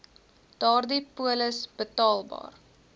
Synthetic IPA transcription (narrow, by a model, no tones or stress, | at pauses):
d̥ɑːrdipuələsbətɑːlˠbɑ̰ːr